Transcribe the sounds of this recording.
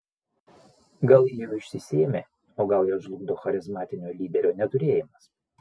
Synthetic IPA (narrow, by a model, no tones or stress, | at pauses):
ɡɐlˠjijoɪʃʲsʲɪsʲiːɛmʲe | oːɡɐlˠjoːʒlˠʊɡd̪oːxɐɾʲɪzmɑːt̪ʲɪnʲoːlʲiːd̪ʲɛɾʲoːnʲɛt̪ʊɾʲeːjɪmɐs